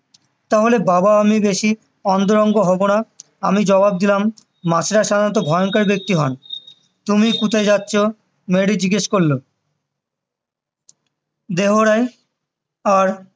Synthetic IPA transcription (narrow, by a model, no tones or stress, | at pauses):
t̪aɦolebabaamibeʃi | ɔnd̪oɾɔŋɡoɦɔbona | amid͡ʑɔβab̚d̪ilamː | at͡ɕʰeɾaʃad̪ʱanɔt̪̬obʱɔoŋkaɾbek̚t̪iɦɔn | t̪umikut̪ʰajd͡ʑatːɕʰo | meɽid͡ʑiɡeʃkolːo | d̪eɦoɾaj | aɾ